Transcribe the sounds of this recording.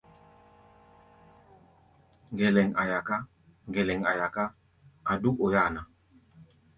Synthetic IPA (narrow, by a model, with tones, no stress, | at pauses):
ŋɡɛ˨lɛ˨ŋa˨ja˨ka˦ | ŋɡɛ˨lɛ˨ŋa˨ja˨ka˦ | a˨du˦ko˨jaː˦˨na˨